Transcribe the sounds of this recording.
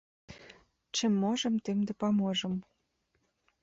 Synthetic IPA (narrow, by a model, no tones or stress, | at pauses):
t͡ɕĕmːoʒɤ̆mt̪emd̪ĕpɑmoʒɤ̆m